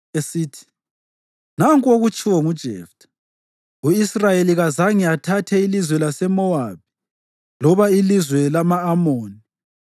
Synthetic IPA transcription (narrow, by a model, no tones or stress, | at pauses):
esiːtʰi̥ | naŋkʼoɣut͡ʃʼiwɔŋud̥ʒ̥ʱɛ̰ːftʰʼḁ | uisrajeliɣazaŋiatʰatʰɛilizwɛlasɛmɔaβi | lɔβailizwɛlamaːmoːni